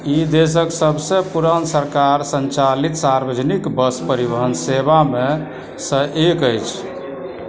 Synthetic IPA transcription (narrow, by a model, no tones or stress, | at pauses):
id̪es̬əksəbʱsə̃puɾənsəɾkaɾsənt͡ʃalit̪saɾbəd͡ʒnikbəspəɾibəɦənseβame | sə̃ʔekəjt͡ʃʰ